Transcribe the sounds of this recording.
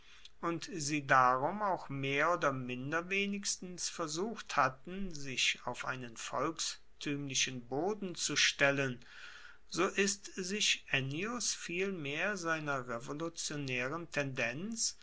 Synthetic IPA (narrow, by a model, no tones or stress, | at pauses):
ʔʊntziːdaʁʊmaʊxmeːɐʔoːdɐmɪndɐveːnɪçstn̩sfɛɐzuːxthatn̩zɪçaʊfʔa̰ɪnənfɔlks | tʰyːmlɪʃənboːdn̩t͡suʃtɛlən | zoːʔɪstzɪçʔɛniʊsfiːlmeːɐzaɪnɐʁevolut͡sjonɛːʁəntʰɛndɛnt͡s